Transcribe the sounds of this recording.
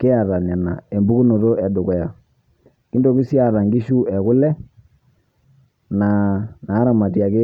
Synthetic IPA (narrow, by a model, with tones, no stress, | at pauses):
kɪ˦a˨ɾa˨nɛ˨na˨e˨mbu˦ku˦no˨to˦ɛ˨dʊ˨kɛ˨ja˨ | ki˦ndo˨ki˦si˦a˨ɾa˨ŋɡi˦ʃu˦ɛ˨kʊ˦lɛ˦ | na˨na˨˦ɾa˨ma˨tja˨kɪ˦